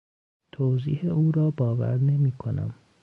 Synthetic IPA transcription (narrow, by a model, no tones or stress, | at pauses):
t̪ʰoːziːheuːɾɒːbɒːvæ̰ɾne̞miːkʰonæ̰m